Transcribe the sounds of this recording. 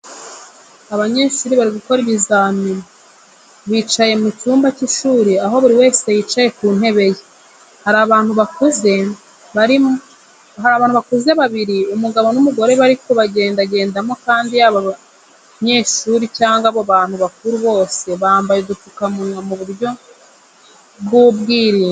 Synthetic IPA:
aβaɲe̞ːʃuːɾiβaɾiɡuko̞ɾiβizaːmiɾo | βiːt͡ʃaje̞mucuːmbaciʃuːɾiaɦo̞βuɾiwe̞ːse̞jiːt͡ʃaje̞kuːn̥he̞βe̞je | haɾaβaːn̥huβakuze | aɾi | ɦaɾaːβaːnhuβakuzeβaβiɾiumuɡaβo̞numuɡo̞ɾe̞βaɾikoβaɟe̞ːndaɟe̞ːndamo̞kaːndijaːβa | ɲe̞ːʃuɾicaːŋɡaβoβaːn̥huβak̚uɾuβo̞ːse̞βaːmbajeɡutukamuɲomuβuɾjo̞ | bɡuβɡiːɾiːŋ

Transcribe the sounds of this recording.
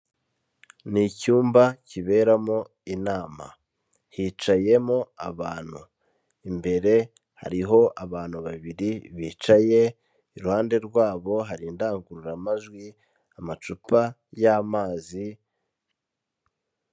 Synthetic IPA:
nicuːmbaciβe̞ɾamo | inaːma̰ | hit͡ʃaje̞mo̞a̰βaːn̥hu | imbe̞ɾe̞ | ha̰ɾiɦo̞ʔaβaːn̥huβaβiɾiβiːt͡ʃaje̞ | iɾuhaːnde̞ɾɡwaːβo̞ɦaɾindaːŋɡuɾuɾamaʒɡwi | amat͡ʃupa | jaːmaːzi

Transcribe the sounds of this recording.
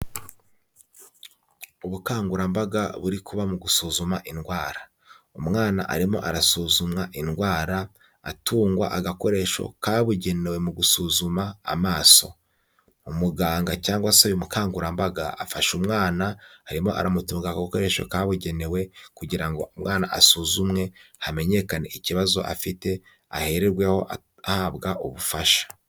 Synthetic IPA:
uβukaːŋɡuɾambaɡa̰βuɾikuβamuɡusuːzumaʔinɡwaːɾa | umŋaːna̰ʔa̰ɾimo̞̰ʔaɾasuːzumŋaʔinɡwaːɾa | atuːŋɡwa̰ʔaɡako̞ɾe̞ːʃo̞̰kaβuɟe̞ne̞we̞muɡusuːzuma̰ːmaːso̞̰ | umuɡaːŋɡacaːŋɡwasaβimukʰaːŋɡuɾambaɡa̰afaʃumŋaːnahaɾimo̞̰ʔa̰ɾʔamutuːŋɡaɡauko̞ɾe̞ːʃo̰kaβuɟe̞ne̞we̞kuɟiɾaŋɡo̞̰umŋaːnaʔasuzumŋe̞hame̞ɲe̞kane̞̰ʔiciβazo̞̰ʔa̰fite̞ | a̰he̞ɾeɾɡwe̞ho̞̰ʔ | ahaβɡaʔuβufaʃḁ

